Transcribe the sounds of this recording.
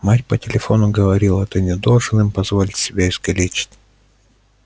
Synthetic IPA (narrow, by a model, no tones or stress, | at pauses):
matʲpətʲɪlʲɪfo̞nʊɡəvɐɾʲilˠɛt̪ənʲɪd̪o̞lˠʐɨnɨmpɐzvolʲɪtʲsʲɪbʲaɪzɡɐlʲet͡ɕɪ̥tʲ